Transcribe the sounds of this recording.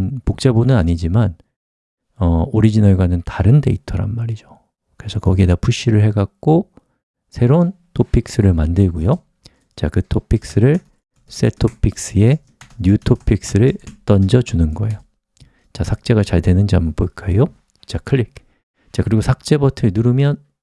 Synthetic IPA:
npok̚t͡ɕ͈ebonɯnaɲid͡ʑiman | ʌoɾid͡ʑinʌɭɡwanɯntaɾɯnde̞itʰʌɾa̰nmaɾid͡ʑo | kɯɾe̞sʰʌkʌɡietapuɕ͈iɾɯɭhe̞ɡak̚k͈o | sʰe̞ɾon | tʰopʰik̚s͈ɯɾɯɭmandɯɭɡujo | t͡ɕa̰kɯtʰopʰik̚s͈ɯɾɯɭ | s͈e̞̰tʰopʰik̚s͈ɯe̞ | njutʰopʰik̚s͈ɯɾɯɭt͈ʌnd͡ʑʌd͡ʑunɯnɡʌe̞jo | t͡ɕasʰak̚t͡ɕ͈e̞ɣat͡ɕaɭtwe̞nɯnd͡ʑiampoɭk͈ʰaejo | t͡ɕakʰɯɭːik̚ | t͡ɕakɯɾiɡosʰak̚t͡ɕ͈e̞bʌtʰɯɭnuɾɯmjʌn

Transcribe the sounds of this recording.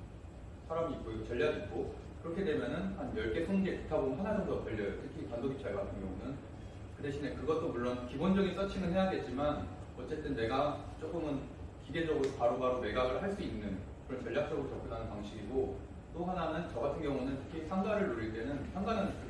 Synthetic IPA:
sʰaɾamiːk͈oiɡot͡ɕʌʎːjaɡik͈o | kɯɾʌkʰe̞de̞mjʌnɯnhanjʌɭk͈e̞sʰʌnɡepi̥tʰabonɯnɦananɯnɡʰʌt͡ɕʌʎːʌjʌtʰɯkʰipandoɡip̚t͡ɕ͈ʰaɭɡɡatʰɯnɡjʌŋunɯn | kɯde̞ɕʰine̞kɯɡʌt͈omuɭːonkibond͡ʑʌɡins͈ʰʌt͡ɕʰiŋɯɭhe̞jaɡe̞t̚t͡ɕ͈iman | ʌt͡ɕ͈e̞t͈ɯnːe̞ɡat͡ɕ͈ok͈ɯmɯn | kiɡe̞d͡ʑʌɡɯɾopaɾopaɾome̞ɡaɡɯɭhaɭs͈uinːɯnkɯɾʌnt͡ɕʌɭʎːak̚t͡ɕ͈ʌɡɯɾot͡ɕʌp̚k͈ɯdanɯnpwaŋɕʰiɡiɡo | t͈oɦananɯnt͡ɕʌɡatʰɯnɡjʌŋunɯntʰɯ̥kʰisʰaŋɡaɾɯɭːoɾiɭt͈e̞nɯnsʰaŋɡanɯn͈

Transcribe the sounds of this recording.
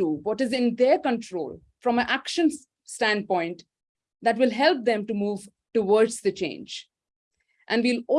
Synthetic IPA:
uʋɔʈɪzɪ̃nd̪eɾkə̃nʈʰɾo̰ːl | fɾɔ̃mə̃ʔækʃə̃n | sʈæ̃nɖ̚pɔ̃ɪ̃ɳʈ | d̪æʈʋɪlɦɛlp̚d̪ɛ̃mʈumuːʋ | ʈuʋɔːɾɖzd̪ət͡ʃḛ̃ːnd͡ʒ | ʔæ̃nɖʋilɔ

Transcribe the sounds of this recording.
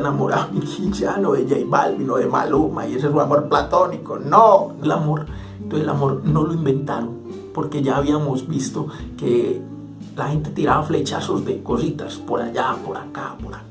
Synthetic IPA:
enamoɾamikit͡ʃanoðeʝejba̰lbinoðema̰loma̰ies̬es̬unamoɾplat̪onikonoelamo̞ɾ | t̪wesela̰mo̞ɾno̞loimbent̪aɾon | poɾke̞ʝaːβiamozbist̪oke | laxe̞nt̪et̪iɾaβaflet͡ʃa̰sozd̪ekosit̪aspoɾa̰ʝapoɾa̰kapoɾa

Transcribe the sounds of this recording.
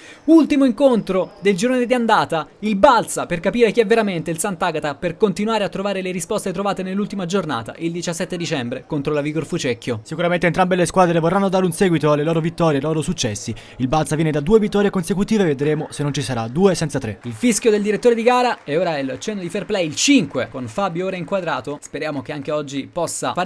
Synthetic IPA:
ult̪imoiŋkont̪ɾod̪eld͡ʒiɾoːned̪iand̪aːt̪ailbalt̪saperkapiːɾek̟iɛvːeɾament̪eilsant̪aɡat̪aperkont̪inwaːɾeat̪ːɾovaːɾeleɾispɔst̪et̪ɾovaːt̪enelːult̪imad͡ʒorna̰ːt̪a̰ʔild̪it͡ʃasːɛt̪ːed̪it͡ʃɛmbɾekont̪ɾolaviɡorfut͡ʃɛkːjosikuɾament̪eːnt̪ɾambeleskwaːd̪ɾevorːanːod̪aɾeunsɛːɡwit̪oalːeloːɾovit̪ːɔːɾjeloːɾosut͡ʃːɛsːi | ilbalt̪savjɛned̪ad̪uːevit̪ːɔːɾjekonsekut̪iːveved̪ɾeːmosenːont͡ʃisaɾad̪uːesɛnt̪sat̪ɾeilfiskjod̪eld̪iɾet̪ːoːɾed̪iɡaːɾaɛoːɾaɛlt͡ʃɛnːod̪iferplɛjilt͡ʃiŋkwekonfabjoːɾaiŋkwad̪ɾaːt̪ospeɾjaːmok̟eaŋk̟eɔd͡ʒːipɔsːa̰fa

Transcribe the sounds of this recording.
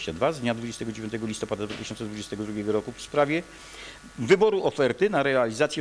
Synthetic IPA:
t͡ɕad̪vazd̪ɲad̪vud͡ʑɛst̪ɛɡɔd͡ʑevʲjɔnt̪ɛɡɔlʲist̪ɔpad̪ad̪vat̪ɘʃɕɔnt̪sɛd̪vud͡ʑɛst̪ɛɡɔd̪ɾuɡʲɛɡɔɾɔkufspɾavʲjɛ | vɘbɔɾuʔɔfɛɾt̪ɘnaɾɛalʲizat̪sʲjɛ

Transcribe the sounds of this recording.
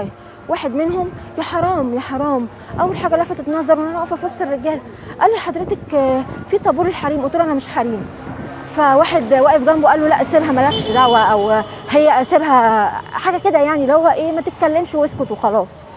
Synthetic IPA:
waːħed̪menhomjæħɑɾˤɑːmjæħɑɾˤɑːm | ʔæwːælħaːɡælæfæt̪et̪nɑzˤːɑɾˤenʔænʔæfæfɑsˤːerːeɡæːl | ʔælːiħɑd̪ɾet̪ækfiːt̪ˤɑbuːɾelħɑɾiːmʔot̪ːulʔænæmeʃħaɾiːm | fæwaːħed̪wæːʔefɡæmbwʔælːolæʔæsebɦæmælækʃd̪aʕwæʔæw | hejːæʔæsebɦæħaːɡæked̪æjaʕnilihowːæʔeːmæt̪et̪̚kælːemʃweskot̪wexɑlɑːsˤ

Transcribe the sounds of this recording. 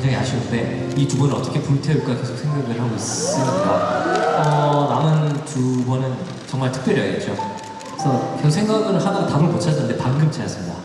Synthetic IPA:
kkŋd͡ʑaŋia̰ɕʰiɡod͈e̞ | itubʌnɯnʌt͈ʌkʰepumtʰeuk͈ake̞sʰoksʰeŋɡaɡɯɾɭhaɡoiss͈ɯɲinkaʌnamɯntubʌnɯn | t͡ɕʌŋmaɭtʰɯ̥k̚p͈jʌɾjʌeɡet̚t͡ɕ͈o | kesʰʌkesʰoksʰe̞ŋɡaɡɯɾɭhanaɡataboɭpot͡ɕʰad͡ʑanɯnde̞paŋɡɯmt͡ɕajas͈ɯmɲida̰

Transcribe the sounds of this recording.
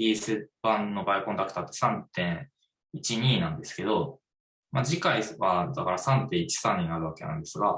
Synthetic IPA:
dʲiːsɨb̥ãnnːo̞baikond̪akɯ̟̥t̪aːt̪ːo̞̥sãnt̪ẽ̞ɰ̃ | it͡ɕiɲ̟iːnãnd̪e̞sɨ̥ke̞d̪o̞ | mad͡ʑikaiβad̪akaɾasãnt̪ẽ̞ɰ̃it͡ɕi̥sãɲ̟ːinaɾɯ̟βake̞nã̰nd̪e̞sɨɡa

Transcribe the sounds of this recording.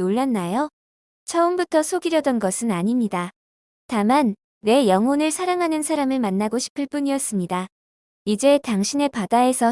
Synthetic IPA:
oɭːanːajo | t͡ɕʰʌɯmbutʰʌsʰoɡiɾjʌdʌnɡʌsʰɯnaɲimɲida | taman | we̞jʌŋonɯɭsʰaɾaŋɦanɯnsʰaɾamɯɭmanːaɡoɕʰi̥pʰɯɭp͈uɲiʌs͈ɯmɲida | id͡ʑe̞taŋɕʰine̞padae̞sʰʌ

